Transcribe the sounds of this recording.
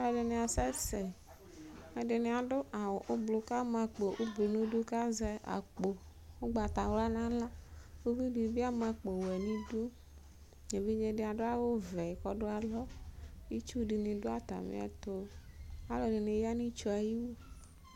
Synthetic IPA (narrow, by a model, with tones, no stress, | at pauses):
a˦lɔ˨ɖe˨nẽ˨a˨sɛ˦sɛ˨ | e˨de˨ne˨a˨ɖʊ˦ʔa˨wo˨ʔo˦blo˨ka˦mã˨k͡po˨ʔo˦blo˨nũ˦du˦ka˦zɛ˦ʔa̰˨k͡po˨ | wo˦ɡ͡ba˨t̪a˨wla˦nã˦la˦wo˦vi˦bi˨bi˦a˦mã˨k͡po˨wɛ˨nĩ˦du˦ | ɲe˨vi˦ɲe˦ɖɪ˨a˨ɖʊ˦a˦wo˦vɛ˨kɔ˦ɖʊ˦a˨lɔ˦i˦t͡ʃu˦ɖi˨nĩ˨ɖo˦a˦t̪a̰˨mḛ̃˨a̰˨t̪o˦a˦lɔ˨ɖɪ˨ne˨ja˦nĩ˦t͡ʃɔ˨˦a˨ji˦wu˦